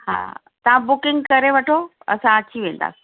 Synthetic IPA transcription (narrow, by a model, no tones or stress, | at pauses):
ha̰ː | t̪ɐʋ̤ãbʊkɪ̃ŋɡkɐɾeʋɐʈʰo | ɐ̰sãɐt͡ɕʰiʋẽːnd̪a̰ːsi̥